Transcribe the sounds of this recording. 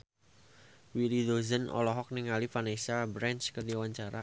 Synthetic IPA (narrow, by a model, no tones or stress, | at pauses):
wilid̪ozənɔ̰lɔɦɔk̚niŋalifanesabɾant͡ʃkərdiawaɲt͡ʃaɾa